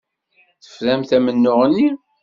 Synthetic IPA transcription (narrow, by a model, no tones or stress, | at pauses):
θə̥fɾæmθæmənːʊʁnːi